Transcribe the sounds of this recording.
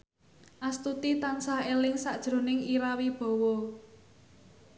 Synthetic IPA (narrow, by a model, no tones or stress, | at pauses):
ʔast̪ut̪it̪ansahelɪŋsaʔd̥ʒ̥ɾo̤nɪŋiɾawib̥ɔ̤wɔ